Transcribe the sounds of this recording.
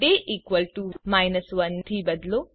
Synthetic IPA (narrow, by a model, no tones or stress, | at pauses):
ɖeːʔiːkʋɐlʈumajnɐsʋɐnt̪ʰɾiːbɐd̪lo